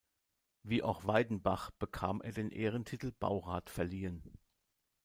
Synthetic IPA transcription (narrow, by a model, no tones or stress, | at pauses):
viːʔa̰ʊxv̥aɪdn̩baχb̥əkʰaːmʔḛːɐdeːnʔeːʁ̞əntʰɪtl̩b̥a̰ʊʁaːtfɛɐliːən